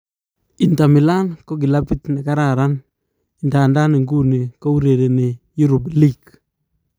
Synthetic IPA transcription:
i˨nta˨mɪ˨la˦nko˦k̬i˨lapi˦tne˨kaɾaɾan | indaː˨nda˦nɪ˨ŋɡu˦ni˨ko˦u˦ɾe˨de˨ni˨ju˦ɾu˨blik

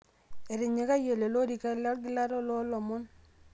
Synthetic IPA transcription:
e˨ɾɪ˨ɲe˨ka˦je˨le˨lo˦ɾi˨ka˦la˦ɡi˦la˦ɾɔ˦lɔ˦lɔ˨mo˦n

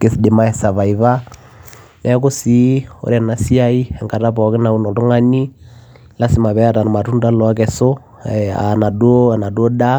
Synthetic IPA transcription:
ke˨si˨di˨ma˦ɛ˨sa˨βa˨i˨βa˦ | lɛ˦k̬o˦si˦o̰˨ɾɛ˨na˨si˦a˦i˦ɛ˨ŋka˨ta˦pɔ˨ke˦na˨u˦nɔ˨lu˦ŋa˦ni˦ | la˦si˨ma˨βɛ˦a˦ta˨n˨ma˨tu˦n˦da˦lɔ˨a˦kɛ˨sɔ˦ | a̰˨na˨da˨na˨dɔ˦da˦

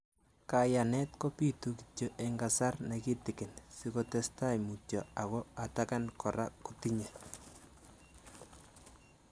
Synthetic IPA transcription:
kaja˨nɛ˦tko˦pi˦tuki̥t͡ʃo˦ʔeŋɡasa˦rna˨ki˦tɪkɪ˨nsikotɛ˦sta˦jmu˨t͡ʃɔ˨a˨kɔ˦a˨taka˦nkʰɔ˨ɾakuti˦ɲe˨

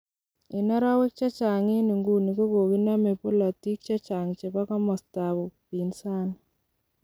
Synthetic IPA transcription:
e˨na˦ɾa˦we˦k̚t͡ʃa˦t͡ʃa˨ŋe˦ni˨ŋɡu˦ni˨ko˦ko˨ɣi˦na˦me˨po˦la˨ti˦k̚t͡ʃa˦t͡ʃa˨ŋt͡ʃe˨βa˦ka˦mɔ˨sta˨βo˨pi˨nsa˦na

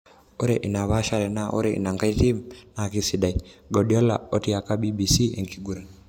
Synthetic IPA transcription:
o˦ɾe˨ʔi˨na˨βa˦ʃa˦ɾɛ˨na˦ʔo̰˦ɾeḭ˨na˨ŋɡa˦i˦ti˦mna˨ki˦si˨da˨i˦ɡo˨ɗi˨o˦la̰˨o˦ti˦a˨ka˦bi˦bi˨si˦ḛ˨ŋki˨ɡu˨ɾa˨n

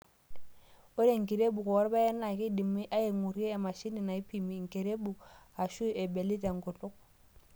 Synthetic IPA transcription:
o˦ɾe˦˨ŋ˨ki˨ɾe˦bu˨kɔ˨wɔ˦ɾba˦ɛ˦na˨kɪ˦di˨mi˦ʔa˦e˨ŋu˨ɾi˦eː˦˨ma˨ʃi˦ni˨na˨i˦pi˨mi˨ŋ˨ke˨ɾe˦bu˨a˨ʃu˦ɛ˨be˨li˦ta˨ŋɡɔ˨tʊ˦k̚

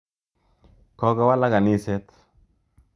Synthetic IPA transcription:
kɔ˨˦ka˦wa˦la˦ɡa˨ni˦sɛ˦t̪

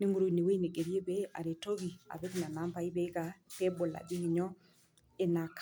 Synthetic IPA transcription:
ne˦ŋu˨ɾo˨i˨ne˨we˦i˦ne˨ɡe˨ɾje˦be˦a̰˨ɾe˨to˦ɣi˨a̰˨be˦kna˨na˦mpa˦i˦be˦ka˨pe˦bo˨la̰˨d͡ʒi˦ŋɪ˨ɲɔ˦ | e˨na˨kʰ

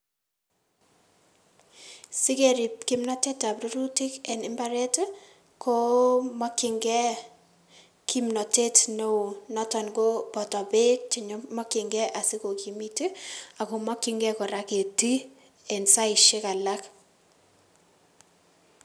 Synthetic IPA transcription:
sɪ˦ke˦ɾi˨p̚kɪ˦mnɔ˦te˦ta˨pɾo˦ɾu˦ti˦kɛ˨nɪ˦mba˦ɾe˦t | kʰo˦mɔ˦kːɪ˦ŋɡɛ˦ | ki˦mnɔ˨te˦tno˦o˨nɔ˦tɔ˨nɡo˦bɔ˨tɔ˨be˦t͡ʃɪ˨ɲo˦mɔ˦kɪ˨ŋɡɛ˦ʔa˨sɪ˦ko˨ki˨mi˦te˦a˨ko˨mɔ˦kːɪ˦ŋɡɛ˦kɔ˨ɾa˦ke˨ti˦ | ɛ˨nsa˦ɪ˨ʃɪ˦ka˨la˦k

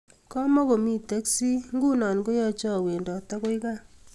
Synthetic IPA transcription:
kɔ˦mɔ˦ko˨mi˦te˦ksi˦ŋɡu˦nɔ˨nko˦jɔ˦t͡ʃɔ˦˨we˨ndɔ˨ta˦ko˦i˦ka˦˨

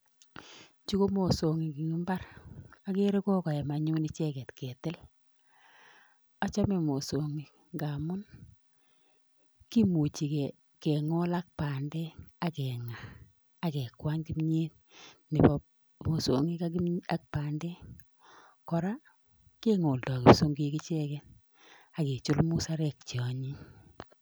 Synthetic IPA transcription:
t͡ʃi˦ko˦mo˨so˨ŋi˨ki˨ŋi˦mba˦ɾa˦ke˦ɾe˦kɔ˦kɔ˨jɛ˨ma˨ɲu˦ni˦t͡ʃɛ˦kɛ˨tkɛ˨tɪ˦l | a˦t͡ʃa˦me˨mo˨so˨ŋi˨ | ŋɡa˨mʊ˦n | ki˦mu˨t͡ʃi˨kɛ˨ | kɛ˨ŋo˦la˦k̚pa˨nde˦a˨kɛ˨ŋaː˨ | kɛ˨kwa˦ɲki˦mɲe˦t̚ | nɪ˨pɔ | mo˨so̰˨ŋi˦ka˦a˦k̚pa˨nde˦ | kɔ˨ɾa˦ | ke˦ŋo˨ldɔ˨ki˨pso˦ŋɡi˨kɪ˦t͡ʃɛ˦kɛ˦n | a˨ke˨t͡ʃʊ˦lmʊ˦sa˦ɾɛ˨k̚t͡ʃi˨ɔ˨ɲi˦

